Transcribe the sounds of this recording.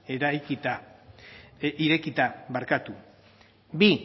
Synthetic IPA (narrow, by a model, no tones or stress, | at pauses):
eɾajkit̪a | iɾe̞kit̪aβaɾkat̪u | bi